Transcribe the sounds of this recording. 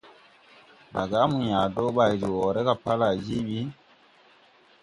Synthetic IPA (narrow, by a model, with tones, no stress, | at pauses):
ɗa̰˨ɡa˦mu˨ɲaː˨do˦ɓa˨jɾi˨wɔ˨ɾe˦ka˨pa˦la˨d͡ʒi˦ɓi˦